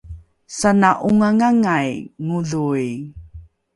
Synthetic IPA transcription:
sanaʔuŋaŋaŋajŋuɮuj

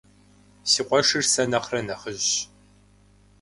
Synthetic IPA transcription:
siːqʷʼɔʂɨrsɐnɐχrɐnɐχəʑ

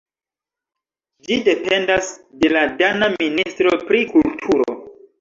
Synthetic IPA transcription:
d͡ʒide̞pe̞ndasde̞ladanaministɾo̞pɾikultʰuɾo̰

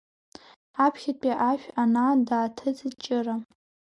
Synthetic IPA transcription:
apʰχʲɪtpʼiʔaʃᶣanadaːtʰɨt͡st͡ʃʼɪra

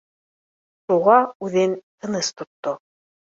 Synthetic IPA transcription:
ʃuʁɑʉðɘnt̪ʰɤ̆nɤst̪ŏt̪ːo

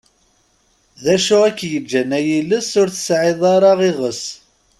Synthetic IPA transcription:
ðæʃuækːjəd͡ʒːænæjiləsʊɾθə̥sʕɪðˤɑɾˤɑʁiʁəs

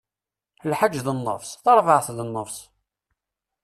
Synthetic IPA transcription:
lħad͡ʒːðənːə̰vsˤθɑɾˤvəʕθðənːəfs

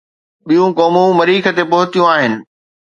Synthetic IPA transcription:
ɓijũkɔːmũmɐɾiːkʰə̆t̪epɐɦʊt̪ijũaːɦɪnɪ̆

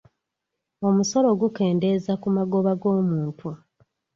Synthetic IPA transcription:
o̞muso̞lo̞ɡuke̞ːnde̞ːzakumaɡo̞βaɡo̞ːmuːntʰu

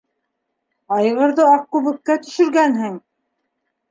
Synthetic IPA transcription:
ɑj̆ʁɤ̆ɾðɤɑq̚kʉβɘ̆kːæt̪ɵ̆ʃɵ̆ɾɡænɦɘŋ

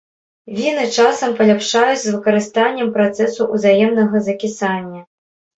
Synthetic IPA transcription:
vʲinɨt͡ʂasɐmpɐlʲapʂajut͡sʲzvɨkɐɾɨst̪anʲːɛmpɾat̪sɛsuʔuzajɛmnɐɣɐzɐkʲisanʲːɐ

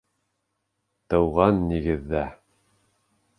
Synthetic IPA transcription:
t̪ɤ̆wʁɑnːiɡɘ̆ðːæ

